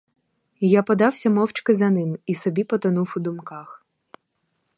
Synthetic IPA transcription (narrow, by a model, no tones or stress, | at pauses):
japɔd̪ɑwsʲɐmɔwt͡ʃkɪzɐnɪmisɔbʲipɔt̪ɔnufʊd̪ʊmkɑx